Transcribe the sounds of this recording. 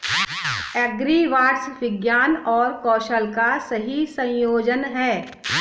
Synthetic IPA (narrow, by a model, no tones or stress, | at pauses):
ɛɡɾiʋaːʈsʋɪɡjaːnɔːɾkɔːʃəlkasɐɦisɐ̃jjoːd͡ʒənɦɛː